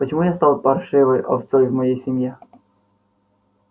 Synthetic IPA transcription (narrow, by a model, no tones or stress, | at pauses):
pət͡ɕɪmujast̪ɑlˠpɐrʂɨvəjʔɐ̰t̪sojʲvmɐjejsʲɪmʲje